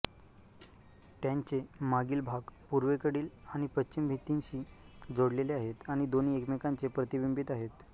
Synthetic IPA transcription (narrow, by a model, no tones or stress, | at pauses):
t̪jãɲt͡semaɡiːlbʱaɡpuɾʋekəɽiːlaɽ̃ipətːt͡ɕimbʱit̪inɕiː | d͡zoɽleleaɦet̪aɽ̃id̪oniekmekãnt͡sepɾət̪ibimbit̪aɦet̪